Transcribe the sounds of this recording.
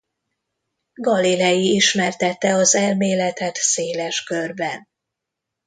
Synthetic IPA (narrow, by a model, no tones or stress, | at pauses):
ɡɒlilɛjiiʃmɛrt̪ɛt̪ːɛɒzɛlmeːlɛt̪ɛt̪seːlɛʃkørbɛn